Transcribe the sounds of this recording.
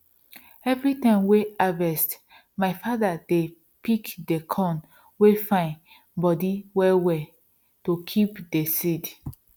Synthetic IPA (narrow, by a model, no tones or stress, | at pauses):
ɛvɹitãmweavɛst | maɪfadade | pikdekʰɔ̃n | wefãɪ̃n | bɔdiwɛwɛ | tokʰipdesid